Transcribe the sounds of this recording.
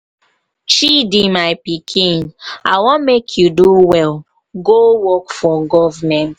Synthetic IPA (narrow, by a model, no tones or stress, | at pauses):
t͡ʃidimaɪpikʰĩna̰ɪwɔ̃mekʰjuduwɛl | ɡowɔkfɔɡɔvmɛ̃nt